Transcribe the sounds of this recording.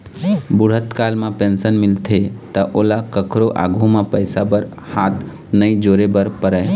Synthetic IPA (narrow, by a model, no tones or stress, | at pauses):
bʊɽ̤ət̪kaːlmãpẽnsənmɪlt̪ʰet̪əʔoːlakəkʰɾoʔa̰ːɡʱũmãpəɪsabəɾ | haːt̪ | nəĩd͡ʒoːɾebəɾpəɾəe